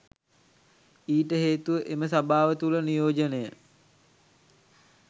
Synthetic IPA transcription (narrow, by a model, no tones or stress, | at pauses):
iːʈəɦeːt̪uʋəʔeməsabaːʋət̪ulənijoːd͡ʒənejə